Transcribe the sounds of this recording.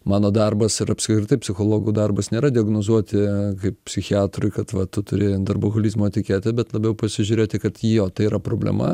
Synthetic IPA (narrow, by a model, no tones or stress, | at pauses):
mɑːnoːd̪ɐrbɐsɪɾɐpskɾʲɪɾʲɪt̪ɐɪpʲsʲɪxoːlˠoːɡuːd̪ɐrbɐsnʲeːɾɐd̪ʲɪɐɡnoːzuɔt̪ʲɪkɐɪppʲsʲɪxʲɪɑːt̪ɾʊɪkɐt̪ʋɐt̪ʊt̪ʊɾʲɪd̪ɐrboɣolʲiːzmoːt̪ʲɪkʲeːt̪ʲɪbʲɛt̪lˠɐbʲɛʊpɐsʲɪʒʲuːɾʲeːt̪ʲɪkɐt̪jijoːt̪ɐɪiɾɐpɾoːbʲlʲɛ̰mɐ̰